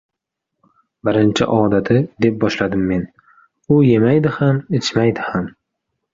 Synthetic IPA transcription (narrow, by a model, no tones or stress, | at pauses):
bɪɾɪnt͡ʃʰɪ̰ʔɒːd̪at̪ʰɪd̪e̞p̚bɒʃlad̪ɪmːe̞n | ʊje̞majd̪ɪhamɪt͡ʃmajd̪ɪham